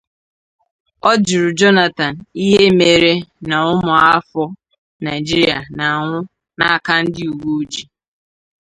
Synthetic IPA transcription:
ɔ˦d͡ʒi˨ɾʊ˨d͡ʒɔ˦na˨ta˨n̩˨i˦ɦe˦me˨ɾe˦na˨ʊ˦mʊ˨a˦fɔ˦ | na˨ɪ˨d͡ʒi˦ɾi˦a˨na˨ŋʷʊ˦ | na˦a˨ka˦n̩˦dɪ˦u˨ɡu˦d͡ʒi˨

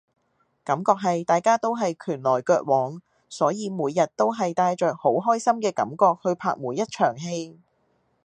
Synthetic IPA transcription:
kɐ˨˥mkɔː˧k̚ɦɐ˨jt̪aː˨jkaː˥t̪o˥wɦɐ˨jkʰyː˨˩nlɔː˨˩jkœː˧t̚wɔː˨˥ŋ | sɔː˨˥jiː˨˧muː˨˧jːɐ˨t̚t̪o˥wɦɐ˨jt̪aː˧jt͡ʃœː˨k̚ho˨˥wɦɔː˥jsɐ˥mkɛː˧kɐ̰˨˥mkɔː˧k̚hɵ˧ɥpʰaː˧k̚muː˨˩jɐ˥t̚t͡ʃʰœː˨˩ŋɦe˧j

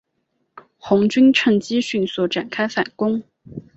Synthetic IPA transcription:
xʊ˧˥ŋt͡ɕy˥nʈ͡ʂʰɤ˥˧ŋt͡ɕi˥ɕy˥˧nswɔ˥˩ʈ͡ʂa˨˩nkʰa˥ɪfa̰˨˩nkʊ˥ŋ

